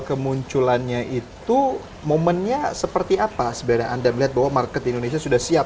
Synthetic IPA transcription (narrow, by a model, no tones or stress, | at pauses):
kəmuɲt͡ʃulanɲaʔit̪u | momənɲasəpərt̪iapasəbaɾaʔandaməliɦat̪̚baɦwamarkət̪indones̬iasudahsiap̚